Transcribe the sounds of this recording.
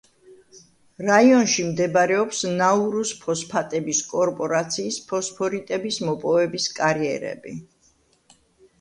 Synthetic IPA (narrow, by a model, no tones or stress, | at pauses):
ɾaiɔnʃimd̪ɛbɾɛɔpsnauɾuspʰɔspʰat̪ʼɛbiskʼɔɾpʼɔɾat̪sʰiːspʰɔspʰɔɾit̪ʼɛbismɔpʼɔvɛbiskʼaɾiɛ̰ɾɛ̰bḭ